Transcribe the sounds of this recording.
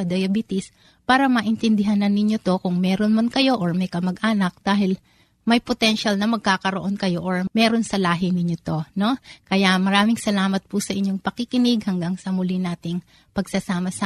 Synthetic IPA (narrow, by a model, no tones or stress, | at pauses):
ɐd̪ɐjɐbit̪ɪs | paːɾɐmɐʔɪnt̪ɛnd̪ɪɦanɐnːɪɲo̞t̪o̞kʊŋmɛːɾonmɐnkɐjo̞ʔoɹmɐjkɐmɐɡʔaːnɐk̚d̪̥aːɦɪl | mɐjpot̪ɛnʃɐlnɐmɐɡ̚kaːkɐɾoʔo̞nkɐjo̞ʔoɹmɛɾo̞nsɐlaːɦɪnɪɲːot̪o̞no̞kɐjamɐɾaːmɪŋsɐlaːmɐt̪̚pusɐʔɪɲːo̞ŋpɐkɪkɪnɪɡhɐŋɡaŋsɐmʊlɪnaːt̪ɪŋ | pɐɡsɐsaːmɐsɐ